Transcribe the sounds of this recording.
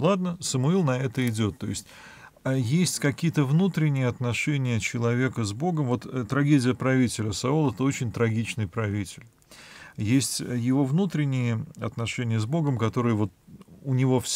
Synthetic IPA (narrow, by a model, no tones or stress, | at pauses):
lˠad̪nəsəmʊilˠnɐɛt̪əɪdʲo̞t̪ːo̞jɪsʲtʲ | jesʲtʲkɐkʲijət̪əvnut̪ɾʲɪnʲːɪjəɐt̪nɐʂɛnʲɪjət͡ɕɪlˠɐvʲe̞kəzbo̞ɡəmvo̞t̪t̪ːɾɐɡʲedʲɪjəpɾɐvʲitʲɪlʲəsɐulˠɛt̪əo̞t͡ɕɪnʲt̪ɾɐɡʲit͡ɕnɨjpɾɐvʲitʲɪlʲ | jesʲtʲjɪvo̞vnut̪ɾʲɪnʲːɪjəɐt̪nɐʂɛnʲɪjəzbo̞ɡəmkɐt̪o̞ɾɨjəvo̞t̪̚ʊnʲɪvo̞fsʲ